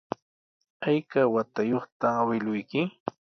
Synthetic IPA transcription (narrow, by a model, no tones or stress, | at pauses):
ajkawat̪ajoχt̪aawɪlʊjkɪ